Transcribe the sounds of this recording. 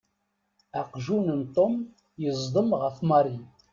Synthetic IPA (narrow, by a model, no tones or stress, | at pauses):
æqʒunənt̪ˤom | jəzˤd̪ˤəmʁəfmɑɾˤi